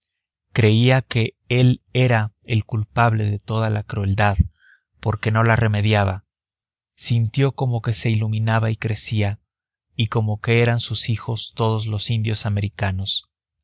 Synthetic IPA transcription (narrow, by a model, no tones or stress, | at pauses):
kɾe̞iake̞ | e̞le̞ɾaelkulpaβle̞ðe̞t̪o̞ðalakɾue̞ld̪að | po̞ɾke̞no̞lare̞me̞ðjaβa | sint̪jo̞ko̞mo̞ke̞se̞ilumĩnaβaikɾe̞sia | iko̞mo̞ke̞e̞ɾansusixo̞st̪o̞ð̞o̞zlo̞sind̪jo̞same̞ɾikano̞s